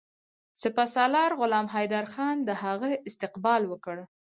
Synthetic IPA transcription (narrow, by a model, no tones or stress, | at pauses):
sɪpasɑlɑɾɣʊlɑmɦajd̪aɾxɑnd̪əɦaɣəɪst̪ɪqbɑlwəkəɽ